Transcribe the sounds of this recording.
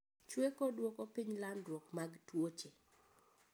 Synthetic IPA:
t͡ʃwekodwɔkopiɲlandwɔkmaɡtwot͡ʃe

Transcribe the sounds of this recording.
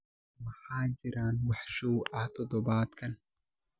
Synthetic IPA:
mɑħɑːt͡ʃɪɾaːnwɑħʃɔwʔɐht̪ʰɔd̪ɔβaːd̪kʰɐn

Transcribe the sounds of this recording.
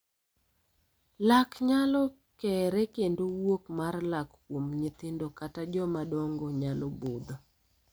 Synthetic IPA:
lakɲalɔ | kɛɾɛkendowokmarlakː | womɲɪt̪ɪndokatad͡ʒɔmadɔŋɡɔɲalɔbod̪ɔ

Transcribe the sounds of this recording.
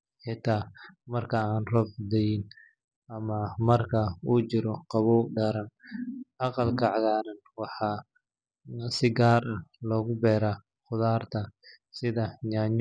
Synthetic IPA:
ħɪt̪ʰaːmɐrkʰɐaːnrɔbd̪ɛjɪn | ɐmɐmɐrkʰɐuːt͡ʃɪɾɔqɑβɔːɖɐɾɐnʔɑqɑlkʰɐʕɑɣaːɾɐn | wɑħɑː | sɪɡaːɾɐhlɔːɣʊbɛːɾaː | χʊðaːrt̪ʰɐ | sɪðɐɲaːɲ

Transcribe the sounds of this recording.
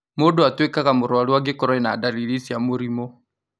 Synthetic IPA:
modoatwekaɣamoɾɔwaɾiwaɡekɔɾɔɛnadaliɾisiamoɾimɔ

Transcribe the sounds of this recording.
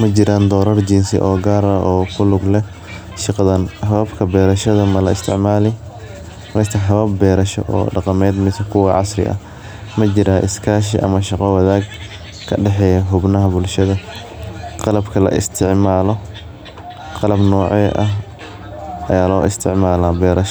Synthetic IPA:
mɐt͡ʃɪɾaːnd̪ɔːɾɐrd͡ʒinsɪ̰ʔɔːɡaːɾʔɔːkʰʊlʊɡlɛ | ʃɪqɑðɐnhɐβabkʰɐbɛːɾɐʃɐðɐmɐlɐɪst̪ʰɪʕmaːlɪ | ɛst̪ʰɐħɐβɐbbɛːɾɐʃɔ̰ʔɔ̰ːɖɑqɑmɛːd̪mɪsɐkʰʊwɑʕɑsɾɪ̰ʔɐ̰ | mɐt͡ʃɪɾaːʔɪ̰skʰaːʃ̬ḭʔɐ̰mɐʃɑqɔwɐðaːɡ | kʰɐɖɛħɛːjɐɦʊbnɐɦɐbʊlʃɐðɐ | qɑlɐbkʰɐlɐ̰ʔɪ̰st̪ʰɪʕmaːlɔ | qɑlɐbnɔːʕɛːʔɐɦ | ɐ̰jaːlɔːʔɪst̪ʰɪʕmaːlaːbɛːɾɐʃ

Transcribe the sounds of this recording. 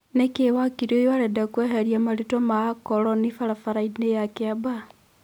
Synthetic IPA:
nekewakiɾojoaɾedakweɦeɾjamaɾitomakoɾonifaɾafaɾainejakeaba

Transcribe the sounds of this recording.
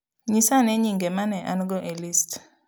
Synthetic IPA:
ɲisaneɲiŋɡemanɛʔa̰nɡɔʔelist

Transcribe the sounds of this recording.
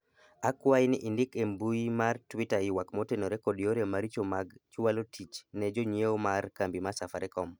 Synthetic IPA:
akwaɪnɪʔɪndɪkembujimartwɪtaɪwakmotenoɾɛkodijoɾemaɾit͡ʃomaɡt͡ʃwalotʰit͡ʃnɛd͡ʒoɲjeomarkambimasafaɾɛkɔm

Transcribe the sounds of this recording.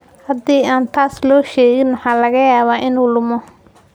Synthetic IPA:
hɐd̪iːʔaːnt̪ʰaːslɔːʃɛːɣɪnwɑħɑːlɐɣɐjaːβaːʔɪnuːlʊmɔ

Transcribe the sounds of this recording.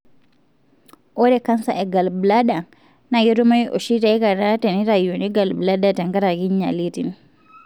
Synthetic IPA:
ʔɔɾɛkansa̰ɛɡalblada | naɡɛtɔmajʔɔ̰ʃitaikaɾataniɾajɔniɡalbladataŋkaɾaɡiɲːa̰litin

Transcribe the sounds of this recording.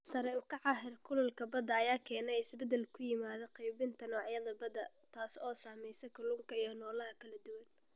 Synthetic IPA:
sɐɾɛʊkʰɐʕɑɦɪrkʰʊlɐlkʰɐbɐd̪ɐːjaːkʰɛːnɛjɪsbɛd̪ɛlkʰʊjɪmaːðɐqɛjbɪnt̪ʰɐnɔːʕɑjɐðɐbɐd̪ɐ | t̪ʰaːsɔːsaːmɛjsɛkʰɐlʊŋkʰɐijɞnɔːlɐɦɐkʰɐlɐd̪ʊwɐn

